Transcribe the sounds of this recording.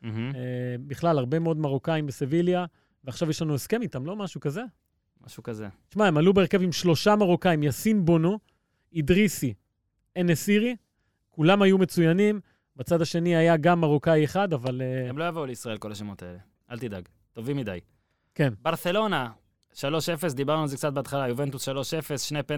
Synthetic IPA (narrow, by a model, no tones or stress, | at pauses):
m̩ɦ̩ebiχlalaʁbe̞meo̞d̪maʁokaimbesevilja | veaχʃavjɛʃlanue̞ske̞mit̪amlo̞maʃukaze̞ | ma̰ʃukazḛt̪i̥ʃmaemalubeːʁkevimʃlo̞ʃamaʁokaimjasinbonu | id̪ʁisi | enesiʁi | kulamajume̞t͡sujanim | bat͡sad̪aʃe̞niajaɡamaʁokajeχad̪avaleemlo̞javouleisʁae̞lko̞laʃemot̪aele | ʔalt̪id̪a̰ɡ | t̪o̞vimːid̪a̰j | ke̞nbaʁse̞lo̞na | ʃalo̞ʃe̞fes̬d̪ibaʁnualzek̚t͡sat̪̚beat̪χalajuvent̪usʃalo̞ʃefesʃnepe